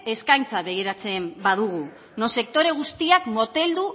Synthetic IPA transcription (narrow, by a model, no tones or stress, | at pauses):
e̞skajnt͡saβe̞ɣiɾat͡se̞mbaðuɣ̞u | nose̞k̚t̪o̞ɾe̞ɣ̞ust̪iakmo̞t̪e̞ld̪u